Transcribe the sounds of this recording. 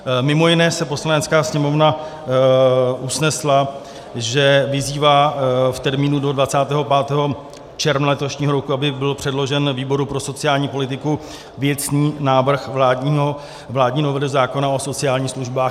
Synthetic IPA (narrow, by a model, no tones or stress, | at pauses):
mɪmo̞jɪnɛːsɛpo̞slanɛt͡skaːsɲɛmo̞vna | usnɛsla | ʒɛvɪziːvaːft̪ɛɾmiːnudo̞dvat͡saːt̪ɛːɦo̞paːt̪ɛːɦo̞ | t͡ʃɛɾmnlɛt̪o̞ʃɲiːɦo̞ɾokuabɪbɪlpr̥ɛdlo̞ʒɛnviːbo̞ɾupɾo̞so̞t͡sɪaːlɲiːpo̞lɪt̪ɪku | vjɛt͡sniːnaːvr̩xaːɲo | vlaːdɲiːno̞vɛlɪzaːko̞naʔo̞so̞t͡sɪaːlɲiːxsluʒbaː